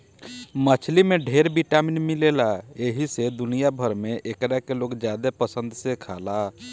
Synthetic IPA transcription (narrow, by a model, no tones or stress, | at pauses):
mət͡ʃʰlimẽɖʱeɾbiʈaminmilelaeɦised̪ʊnijabʱəɾmẽʔekɾakeloːɡd͡ʒjaːd̪epəsə̃nd̪sekʰaːla